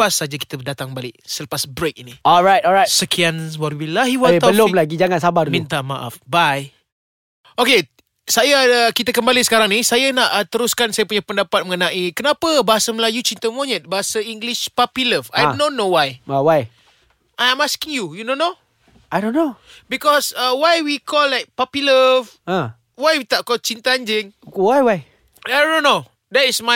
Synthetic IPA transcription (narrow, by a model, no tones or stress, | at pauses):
pasːad͡ʒaki̥t̪ədat̪aŋbalɪʔsələpasbɾek̚iniɔlɹajt̚ɔlajtsəkianwaɾwilaɦiwat̪aəlomlaɡid͡ʒaŋansabaɾumĩnt̪aʔmaʔa̰fbaj | oke | sajakit̪akəmbalisə̥kaɾaŋnisajanaʔt̪əɾuskansajapuɲapəndapat̪̚məŋənãʔikənãpəbaɦasəməlajut͡ʃint̪əmoɲɛ̃t̪̚baɦasaiŋɡliʃpapiləfa̰jnõnːowajwaj | ʔajãmaskiŋjujunõnːo | ajdõnːobikɔsawajwikʰɔlːajk̚papiləv | ã | wajwit̪aʔkɔlt͡ʃint̪aand͡ʒɪŋwajwaj | ajnõnːo | dɛtisma